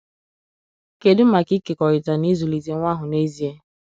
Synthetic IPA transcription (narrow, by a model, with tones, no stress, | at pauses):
ke˨dʊ˦ma˨ki˦ke˨kɔ˨ɾɪ˨ta˨ni˦zu˨li˨ze˨ŋʷa˦ɦʊ˨ne˦zi˦e˦